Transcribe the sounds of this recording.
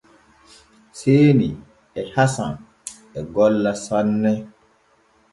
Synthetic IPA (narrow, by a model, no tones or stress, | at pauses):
seːni | ɛhasa̰n | ɛɡɔlːasɔnːɛ